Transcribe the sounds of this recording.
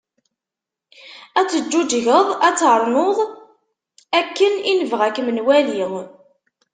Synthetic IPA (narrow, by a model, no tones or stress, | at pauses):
æt͡sːəd͡ʒːud͡ʒʝəðˤæt͡sːɾˤnoðˤ | ækːəninəvʁækːmənwæliŋ